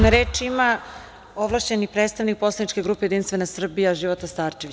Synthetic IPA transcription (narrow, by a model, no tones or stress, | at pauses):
naɾeːt͡ʃima | oʋlˠaʃt͡ɕenipɾet̪st̪aʋnik̚po̞slˠanit͡ʃke̞ɡɾuːpeje̞d̪inst̪ʋe̞nasr̩bijaʒiʋot̪ast̪aːɾt͡ʃeʋi